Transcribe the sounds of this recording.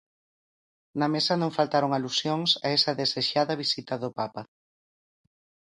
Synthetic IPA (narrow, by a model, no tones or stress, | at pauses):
nɐmesɐnõŋfalt̪aɾoŋalusjoŋsɐ̰ɛsɐðeseʃaðɐβisit̪ɐðʊpapɐ